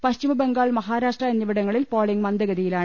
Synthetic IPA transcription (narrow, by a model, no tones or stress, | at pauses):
pɐɕt͡ɕimɐbeŋɡaːɭmɐɦaːɾaːʂʈrɐɐnːɐʋiɽɐŋːɐɭilpoːɭiŋmɐnd̪ɐɣɐðijilaːɳɨ